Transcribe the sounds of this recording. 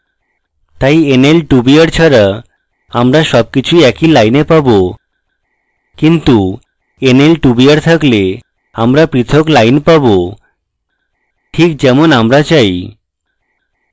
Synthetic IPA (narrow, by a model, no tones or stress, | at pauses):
t̪ajenelʈubiaɾt͡ɕʰaɾa | amɾaʃɔb̚kit͡ɕʰujɛkilajnepabo | kint̪u | enelʈubijaɾt̪ʰakle | amɾapɾit̪ʰoklajnpabo | ʈʰik̚d͡ʑɛmonamɾat͡ɕaj